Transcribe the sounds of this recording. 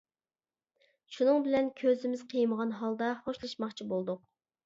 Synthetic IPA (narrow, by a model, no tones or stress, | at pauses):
ʃunɨŋbɪlɛnkʲʰøzɪmɪz̥qʰəjməʁɑnɦɑlˠd̪ɑχoʃlˠɨʃmɑχt͡ʃʰibolˠd̪ʊq̚